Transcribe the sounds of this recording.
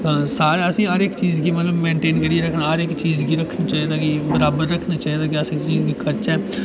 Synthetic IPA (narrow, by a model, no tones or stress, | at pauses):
saːɾəsĩːaɾɪkt͡ʃiːzɡiːmət̪ləbmẽːɳʈeːnkəɾiːɾəkʰnaːaɾɪkt͡ʃiːzɡiːɾəkʰnaːt͡ʃaːɦiːd̪aːkibəɾaːbəɾːəkʰnaːt͡ʃaːɦiːd̪aːkiəsɪkt͡ʃiːzɡiːkʰəɾt͡ʃɛː